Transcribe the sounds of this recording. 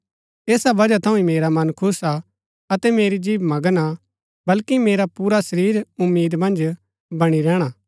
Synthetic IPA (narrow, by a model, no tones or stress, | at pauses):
eːsabɐd͡ʒat̪ʰɐ̃ũĩmeːɾamɐnkʰʊsa | ɐt̪ɛmeːɾid͡ʒiːbmɐɡəna | bɐlkimeːɾapuːɾasɐɾiːɾʊmːiːd̪mɐ̃nd͡ʒ | bɐɽ̃iɾɛːɽ̃aː